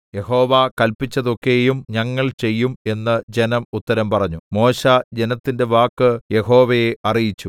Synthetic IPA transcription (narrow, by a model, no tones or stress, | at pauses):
je̞ho̞ːʋakɐlpit͡ɕːɐðo̞kːejumɲɐŋːɐɭt͡ɕe̞jːume̞nːɐd͡ʑe̞nɐmut̪ːɐɾɐmpɐrɐɲːumo̞ːɕad͡ʑenɐt̪ːinde̞ʋaːkːɨje̞ho̞ːʋɐjeɐrijit͡ɕːu